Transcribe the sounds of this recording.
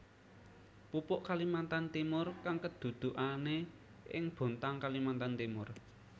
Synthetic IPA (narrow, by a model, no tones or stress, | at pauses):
pupʊʔkalimant̪ant̪imʊrkaŋkəd̪̥ṳd̪̥ṳʔane | ɪŋb̥o̤nt̪aŋkalimant̪ant̪imʊr